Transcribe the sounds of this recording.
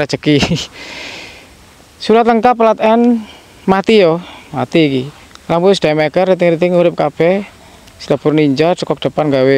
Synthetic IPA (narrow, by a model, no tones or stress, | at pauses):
ɾat͡ʃəki | suɾat̪ləŋkaplat̪ɛn | mat̪ijɔmat̪iːki | lampusd̥amɛkərːit̪̬ɪŋɾit̪ɪŋuɾɪp̚kab̥ɛh | si̥lab̥ʊrniɲd͡ʒat͡ʃəkɔk̚d̪̥ə̤panŋɡawe